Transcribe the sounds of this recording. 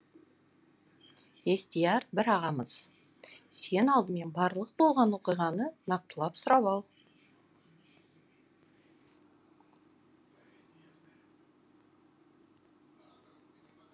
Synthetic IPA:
e̞st̪ijɑɾbɪɾɑʁɑməz̥ | se̞nɑlˠd̪əme̞nbɑɾlˠəq̚bo̞lˠʁɑnwo̞qijʁɑnənɑq̚t̪əlˠɑpsʊɾɑβɑlˠ

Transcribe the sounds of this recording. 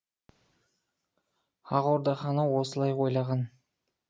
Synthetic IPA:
ɑʁoɾd̪ɑχɑnəwo̞səlˠɑjqʰojlˠɑʁɑn

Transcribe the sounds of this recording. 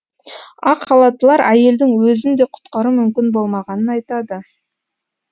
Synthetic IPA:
ɑqʰːɑlˠɑt̪əlˠɑɾæje̞ld̪ɪŋwɵzɪnd̪e̞qʰʊ̥t̪qɑɾumʏmkʲɪnbo̞lˠmɑʁɑnənɑjt̪ɑd̪ə

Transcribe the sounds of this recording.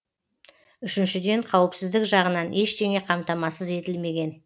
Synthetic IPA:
ʏʃɪnʃɪd̪e̞ɴqʰɑwəpsɪzd̪ɪkʒɑʁənɑnʔe̞ʃt̪ʰe̞ŋe̞qʰɑmt̪ɑmɑsəze̞t̪ɪlme̞ɡʲe̞n

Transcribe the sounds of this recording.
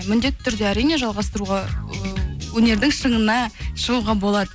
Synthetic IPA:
mʏnd̪e̞t̪ːɪ̥t̪ʰʏɾd̪e̞æɾijne̞ʒɑlˠʁɑst̪əɾuʁɑ | wɵne̞ɾd̪ɪŋʃəɴənɑʃəʁuʁɑbo̞lˠɑd̪ə

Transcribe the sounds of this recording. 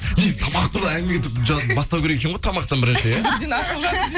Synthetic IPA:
nezt̪ʰɑmɑqt̪ʰuɾd̪ɑæŋɡ̪ʲɪmeeɪpʒɑbɑst̪ɑwkʰʲeɾeekʰʲenʁojt̪ʰɑmɑq̚t̪ɑnbɪɾɪnʃejæd̪enɑsəlˠʁɑ

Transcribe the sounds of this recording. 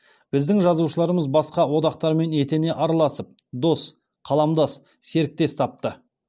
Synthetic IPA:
b̥ɪzd̪ɪŋʒɑzuʃəlˠɑɾəməzbɑsqɑwo̞d̪ɑqt̪ɑɾme̞ne̞t̪e̞ne̞ʔɑɾɑlˠɑsəp̚d̪o̞s | qʰɑlˠɑmd̪ɑs | se̞ɾɪk̚t̪e̞st̪ʰɑp̚t̪ə

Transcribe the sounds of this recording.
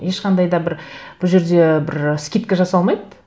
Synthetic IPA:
je̞ʃqʰɑnd̪ɑjd̪ɑbɪɾb̥ʊʒeɾd̪e̞bɪɾskʲit̪̚kʲɪʒɑsɑlˠmɑjd̪

